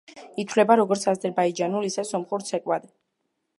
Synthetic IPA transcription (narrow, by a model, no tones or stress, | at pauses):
it̪ʰwlɛbaɾɔɡɔɾt̪sʰazɛɾbaid͡ʒanulisɛsɔmχuɾt̪sʰɛkʼwad̪